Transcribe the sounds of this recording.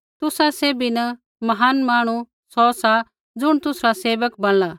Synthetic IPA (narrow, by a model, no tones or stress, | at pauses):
t̪ʊsaseːbinɐ | mɐɦaːnmaːɽ̃u | sɔsa | d͡zʊɽ̃t̪ʊsɾaseːʋəkbɐl̃laː